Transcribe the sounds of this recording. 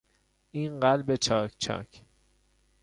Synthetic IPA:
ʔiːnɢælbe̞t͡ʃʰɒːcʰt͡ʃʰɒ̰ːcʰ

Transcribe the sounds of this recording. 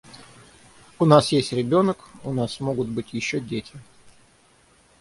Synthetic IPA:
ʊnasjesʲtʲɾʲɪbʲo̞nəkʊnasmo̞ɡʊt̪bɨtʲjɪɕːodʲetʲɪ

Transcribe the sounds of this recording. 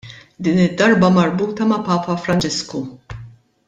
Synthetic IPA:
d̪iːnɪd̪ːɐɾbɐmɐɾbuːt̪ɐmɐpɐːpɐfɾɐnt͡ʃɪsku

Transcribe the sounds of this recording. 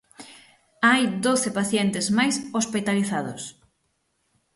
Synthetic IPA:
ajd̪oθɪpaθjɛnt̪ɪzmajsospit̪aliθaðʊs

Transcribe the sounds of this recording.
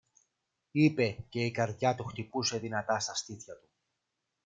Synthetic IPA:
ipe̞ce̞ikɐɾðjɐt̪uxt̪ipuse̞ðinɐt̪ɐst̪ɐst̪iθçɐt̪u̥

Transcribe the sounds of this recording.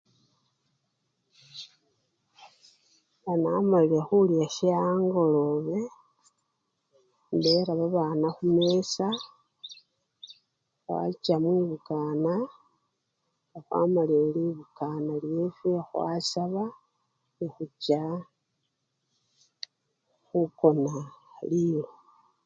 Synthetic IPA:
anamaliɾexuljaʃiaːŋɡo̞lo̞βe̞ | ndeɾaβaβaːnaxumesa | xwa̰t͡ʃamwiβukaːna | ɡaxwa̰malieliβukanaljefixwa̰saβa | nixut͡ʃa | xuko̞nalilo

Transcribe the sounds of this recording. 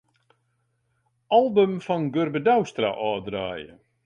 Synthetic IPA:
ʔalˠbəmfɔnɡørbədawstra̰ʔɔːdraːjə̰

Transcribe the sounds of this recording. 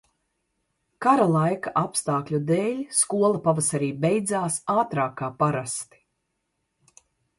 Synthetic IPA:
kaɾalˠajkaʔapst̪aːklʲud̪eːlʲskuɔlˠapavasaɾiːbɛjd̪zaːsaːt̪ɾaːkːaːpaɾast̪i̥

